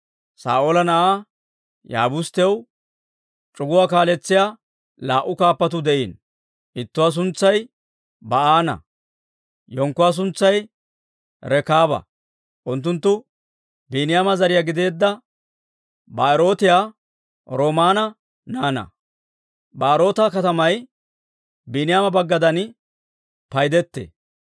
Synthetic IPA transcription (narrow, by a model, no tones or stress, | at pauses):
sa̰ːʔolɐnɐʔaː | ja̰ːbʊst̪ɪw | t͡ʃʼʊɡʊwaːkaːlɛt͡sːɪjaː | laːʔːʊkaːpːɐt̪̬ʊd̪ɛʔiːn | ʔɪt̪ːʊwaːs̬ʊnt͡sːɐj | bɐaːnɐ̰ | jɔŋkːʊwaːs̬ʊnt͡sːɐj | ɾɛkaːbɐ̰ | ʔʊnt̪̬ːʊnt̪ːʊ | biːnɪjaːmɐzɐɾɪjaːɡɪd̪e̞ːd̪ːɐ | baːɪɾo̞ːt̪ɪjaː | ɾoːmaːnɐ | naːnɐ̰ | baːɾo̞ːt̪ɐkɐt̪ɐmɐj | binɪjaːmɐbɐɡːɐd̪ɐn | pɐjd̪ɛt̪ːḛ